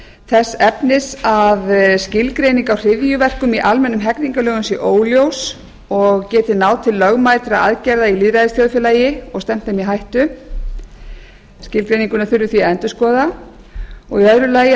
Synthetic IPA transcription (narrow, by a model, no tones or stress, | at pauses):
θɛsːɛpnɪsaðscɪlkɾejniŋkawr̥ɪðjʏvɛr̥kʏmiʔalmɛnːʏmɦɛkniŋkalœːɣʏnsiʔoːwljows | ɔɣcɛːt̪ɪnaːwt̪ʰɪlːœɣmajt̪ɾa̰a̰ðcɛɾðailiðɾajðɪsθjoðfɪlaːjɪɔɣst̪ɛm̥t̪θɛmiɦajht̪ʏ | scɪlkɾejniŋkʏnaθʏɾvʏθviaɛnt̪ʏskɔːða | ɔɣiœðɾʏlaːj